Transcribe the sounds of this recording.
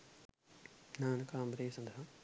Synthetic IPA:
naːnɐkaːmbɾeːsɐnd̪ɐɦɐ

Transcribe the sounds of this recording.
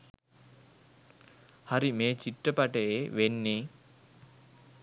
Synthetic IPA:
hɐɾimeːt͡ʃiʈːɐpɐʈeʋenːi

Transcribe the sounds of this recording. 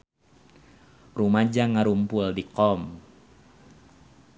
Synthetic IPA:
rumad͡ʒaŋaɾumpuldikɔm

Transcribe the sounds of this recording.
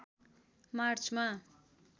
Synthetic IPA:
mart͡sʰma

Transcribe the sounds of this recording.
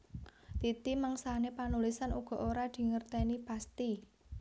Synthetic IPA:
t̪it̪imaŋsanepanulisanuɡ̥ɔ̤ʔoɾad̪̥i̤ŋərt̪enipast̪i

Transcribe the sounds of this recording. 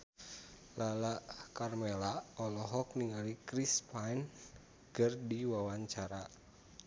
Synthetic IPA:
lalaʔkarmɛlaɔlɔɦɔk̚niŋalikɾispajn | kɨrdiwawaɲt͡ʃaɾa

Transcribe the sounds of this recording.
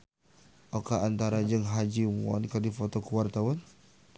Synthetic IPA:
okaːnt̪aɾad͡ʒəŋɦad͡ʒiwɔ̰nkadifɔt̪ɔkuwart̪awɔn

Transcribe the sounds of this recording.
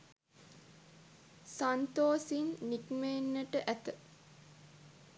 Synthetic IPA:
sant̪oːsinːikmeːnːəʈəʔæt̪ə

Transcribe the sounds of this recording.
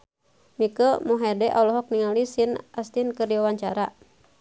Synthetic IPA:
mikəmuɦadɛʔalɔɦɔk̚niŋalisinast̪inkərdiawaɲt͡ʃaɾa̰

